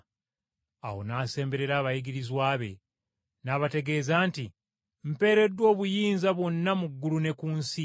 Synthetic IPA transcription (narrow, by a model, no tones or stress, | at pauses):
a̰wo̞̰naːse̞ːmbe̞ɾe̞ɾaːβajiɡiɾizwaːβe̞̰ | naːβate̞ɡe̞ːzaːnti | m̩pe̞ːɾe̞dːwo̞ːβujiːnzaβwo̞nːamuɡːulune̞kuːnsi